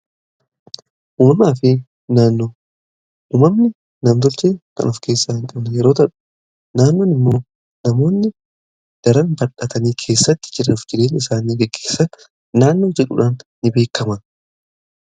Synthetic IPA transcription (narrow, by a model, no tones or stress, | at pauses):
woːnaːfeː | naːnːo̞ː | ʔuːmɐmnɪ | nɐmt̪̬ɔlt͡ʃeːkɐ̰nʊfke̞ːsːaːhɪŋkʼɐbnɐjɛɾo̞ːt̪ɐᶑʊ̥ | naːnːoːnɪmːo̞ː | nɐmo̞ːnːɪ | d̪̥ɐɾɐnbɐᶑɐt̪ɐniːkʰe̞ːsːɐt̪ːɪ̥d͡ʒɪɾɐʊfd͡ʒɪɾe̞ːnɪsaːniːɡɛɡːeːsːɐnː | aːnːo̞ːd͡ʒɛᶑʊ̰ᶑaːnːɪbe̞ːkːɐmɐ